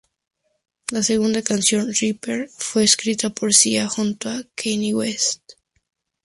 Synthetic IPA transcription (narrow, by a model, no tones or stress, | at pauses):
lase̞ɣ̞und̪akansjo̞nripeɾfwe̞ːskɾit̪apo̞ɾsiaxunt̪oakʰejniwest̪